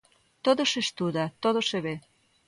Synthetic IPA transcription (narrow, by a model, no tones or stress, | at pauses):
t̪od̪oʃeʃt̪ud̪ɑt̪od̪oʃeβe